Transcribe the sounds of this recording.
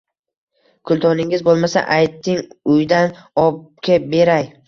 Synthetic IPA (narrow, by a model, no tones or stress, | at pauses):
kʰʊlˠt̪ʰɒnɪŋɪzbolˠmasa̰ʔajt̪ʰːɪŋʊjd̪anɒb̚kʲabe̞ɾaj